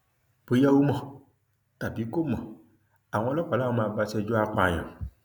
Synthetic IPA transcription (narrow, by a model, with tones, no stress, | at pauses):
bo˨˦ja˦wu˦mɔ̃˨ | t̪a˨bi˨˦ko˦mɔ̃˨ | a˨w̃ɔ̃˨˦lɔ˦k͡pa˨la˦wɔ˦mã˨ba˧sɛ˧˨d͡ʒɔ˦a˦˨k͡pa˨ɲɔ̰̃˨